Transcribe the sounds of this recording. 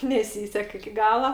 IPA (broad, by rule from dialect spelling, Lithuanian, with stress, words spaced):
nʲɛˈsʲiːsʲɛk ɪkʲɪ ˈɡɑːlˠɐ